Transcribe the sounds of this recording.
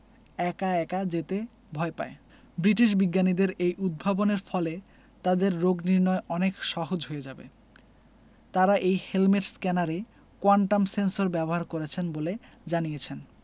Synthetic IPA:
ɛkaɛkad͡ʑet̪e | bʱɔepa̰e | bɾiʈiʃ̬biɡːanid̪eɾejʔud̪̚bʱaboneɾfɔle | t̪ad̪eɾːoɡniɾnɔeʔɔnekʃɔɦod͡ʑɦojed͡ʑabḛ | t̪aɾaʔejhelmeʈskɛnaɾe | koaɳʈamsensoɾbɛboɦaɾkoɾet͡ɕʰenbole | d͡ʑanijet͡ɕʰen

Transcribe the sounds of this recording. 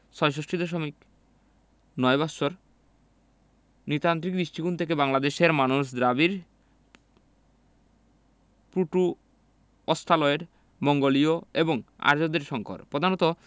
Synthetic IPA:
ʃɔjʃ̬oʃʈɾid̪eʃ̬omik | nɔjbasoɾ | nit̪ant̪ɾik̚d̪ɾiʃʈikunt̪ʰek̬ebaŋlad̪eʃeɾmanuʃd̪ɾabiɾ | pɾuʈu | ɔst̪ʰalɔeɾ | mɔŋɡolioeboŋa̰ɾd͡ʑod̪eɾʃɔŋko̰ɾpɾod̪ʱanɔt̪o

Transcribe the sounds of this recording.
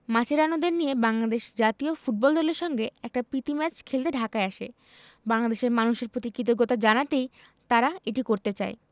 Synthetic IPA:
mat͡ɕʰeɾanod̪eɾnijebaŋlad̪eʃd͡ʑat̪iofuʈ̚bɔld̪ɔleɾʃɔŋɡeɛk̚ʈapɾit̪imɛt͡ɕkʰelt̪eɖʱakaeaʃḛ | baŋlad̪eʃeɾmanuʃeɾpɾot̪ikit̪̬oɡot̪ad͡ʑanat̪ej | t̪aɾaeʈikoɾt̪et͡ɕae

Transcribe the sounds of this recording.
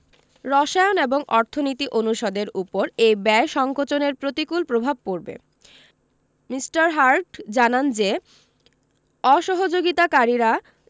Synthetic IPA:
ɾɔʃaeoneboŋʔɔɾt̪ʰonit̪iʔonuʃɔd̪eɾupoɾejbɛeʃɔŋkot͡ɕoneɾpɾot̪ikulpɾobʱab̚poɾbḛ | misʈaɾɦaɾʈd͡ʑanand͡ʑe | ɔʃɔɦod͡ʑoɡit̪akaɾiɾa

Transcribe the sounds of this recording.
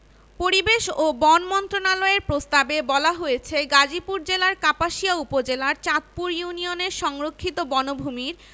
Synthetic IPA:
poɾibeʃobɔnmɔnt̪ɾonalɔeɾpɾost̪abebɔlaɦojet͡ɕʰeɡad͡ʑipuɾd͡ʑelaɾkapaʃiaupod͡ʑelaɾt͡ɕat̪̚puɾjunioneɾʃɔŋɾokʰːit̪obɔnobʱumiɾ

